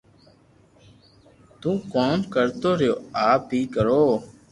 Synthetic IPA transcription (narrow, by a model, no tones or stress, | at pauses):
t̪ũːkoːmkəɾt̪oːɾɪjoːaːpiːkəɾoː